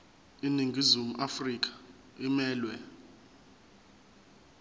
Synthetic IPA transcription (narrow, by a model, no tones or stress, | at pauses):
iniŋɡʱizumuʔafrik̬ʼḁ | imɛːlwɛ